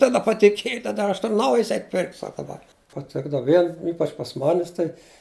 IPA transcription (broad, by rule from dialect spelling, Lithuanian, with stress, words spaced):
tɐˈdɐ pɐtʲɪˈkʲiɛj tɐˈdɐ ˈɐʃ ˈtʊr ˈnɐʊjɪs ˈɛɪtʲ pʲɪrktʲ ˈsɑːkɐ bɐ pɐˈtʲɪɡdɐʋɐ ˈʋʲiɛn ˈiːpɐt͡ʃ pɐs ˈmɑːnʲɪs tɐɪ